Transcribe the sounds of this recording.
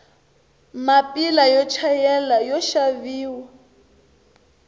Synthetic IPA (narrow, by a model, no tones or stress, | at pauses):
mapʼilajɔt͡ʃʰajɛlajɔʃaviːwa